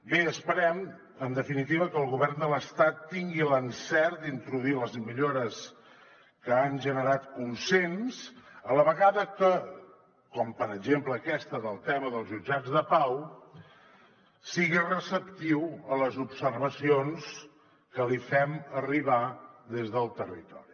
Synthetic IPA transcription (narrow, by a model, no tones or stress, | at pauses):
beəspəɾɛm | ənd̪əfinit̪iβəkəːlˠɣuβɛrnd̪ələst̪at̪ːiŋɡilənsɛɾd̪int̪ɾuðuiləzmiʎoɾəs | kəanʒənəɾat̪kunsensələβəɣaðəkə | kɔmpəɾəɡʒempləːkɛst̪əðəlˠt̪ɛməðəlˠzʒud͡ʒad͡zðəpaw | siɣirəsəpt̪iwələzubsərβəsions | kəlifɛməriβaðezðəlˠt̪ərḭt̪ɔ̰ɾi